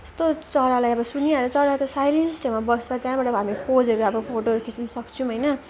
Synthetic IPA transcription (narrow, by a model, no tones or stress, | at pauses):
est̪ot͡sʌɾalajʌbʌsuniaɾʌt͡sʌɾat̪ʌsajlensʈʰemabʌst͡sʌt̪jãbaʈʌɦamipʰod͡zʌɾuʌbʌpʰoʈoʌɾukʰit͡snusʌkt͡sʰũɦʌjnʌ